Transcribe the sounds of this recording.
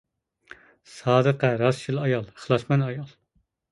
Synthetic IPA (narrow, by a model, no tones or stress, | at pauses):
sɑːd̪əqɛɾɑsʃʰilˠɑjɑlˠəχlˠɑsmɛnɑjɑlˠ